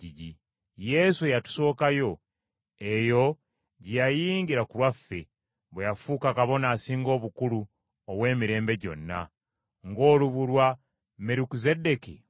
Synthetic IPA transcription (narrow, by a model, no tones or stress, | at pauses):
iɟi | je̞suejatu̥so̞ːkajo̞ | e̞jo̞ | ɟijajiːŋɡiɾakulwafːe̞ | βwejafuːkakaβo̞naːsiːŋɡo̞ːβukulu | oβwe̞ːmiɾe̞ːmbe̞ɟo̞̰nːa̰ | ŋɡo̞ːluβulwa | meɾukize̞de̞ki